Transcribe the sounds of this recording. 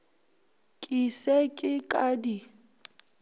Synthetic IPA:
kʼisekʼɪkʼadi

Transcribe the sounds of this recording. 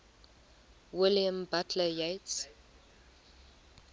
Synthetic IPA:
wɪljãmbatʰləjets

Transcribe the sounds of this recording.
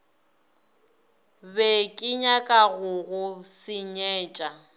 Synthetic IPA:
bɛkʼɪɲakʼaɣʊɣʊsɪɲɛːt͡ʃʼa

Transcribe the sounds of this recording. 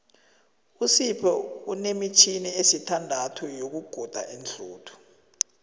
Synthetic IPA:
usipʰɛunemit͡ʃʰiniesitʰandʱatʰujok̬uɡ̥ʱɔd̥ʱa̰ʔind͡ɮʱuːtʰu̥

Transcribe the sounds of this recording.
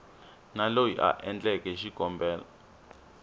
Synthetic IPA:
nalojḭʔa̰ʔɛnd͡ɮɛkɛʃiɡ̥ʱɔmbʱɛːla̰

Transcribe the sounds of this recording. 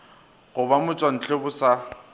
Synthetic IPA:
ɣʊbamʊt͡sʼwan̩t͡ɬʼʊbʊsa

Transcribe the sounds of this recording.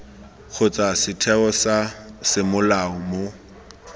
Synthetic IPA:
k͡xʰʊt͡sʼasɪtʰɛɔsasɪmʊlaɔmo

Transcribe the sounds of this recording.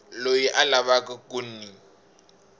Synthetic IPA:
lojiʔalaβakʼakun̩ni

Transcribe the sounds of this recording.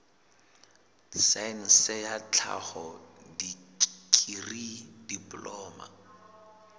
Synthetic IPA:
sain̩sɪjat͡ɬʰa̰hɔdikʰʼiridiplɔːma̰

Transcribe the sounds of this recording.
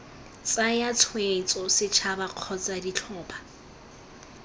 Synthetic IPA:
t͡sʼajat͡sʰwet͡sʼɔsɪt͡ʃʰabaq͡χʰɔt͡sʼadit͡ɬʰɔːpʰa

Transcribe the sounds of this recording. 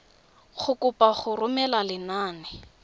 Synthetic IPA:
χʊkʊpaχʊrʊmɛlalɪnaːnɛ

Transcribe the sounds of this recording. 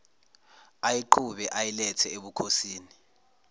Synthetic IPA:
ajiǃʰuɓɛʔajilɛtʰɛeɓukʰosiːni

